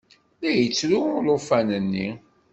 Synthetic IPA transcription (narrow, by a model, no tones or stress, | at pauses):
læjət͡sːlulʊfænənːi